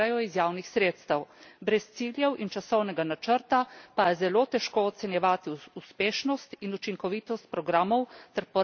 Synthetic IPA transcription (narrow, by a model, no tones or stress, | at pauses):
ajɔizjaːwnixsɾeːt̪st̪ɐwbɾɛst̪siːljɛwʔint͡ʃasɔwnɛɡanat͡ʃəɾt̪apajɛzɛlot̪ɛʃkoːt̪sɛnjɛʋaːt̪iuspeːʃnɔst̪inut͡ʃiŋkɔʋiːt̪ɔst̪̚pɾɔɡɾaːmɔwt̪ɛɾpɔ